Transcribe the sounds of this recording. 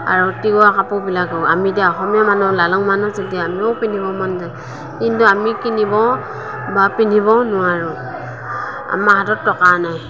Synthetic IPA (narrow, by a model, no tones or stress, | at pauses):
a̰ɹɔtiɡɔakapɔbilaɡɯamidaɦɔmijamanɔlalɔŋmanɔzɔdiamiɔwpinibɔmanza | indɔamikinibɔ | bapinibɔnʊwaɹu | a̰mahatɔtːɔkanaj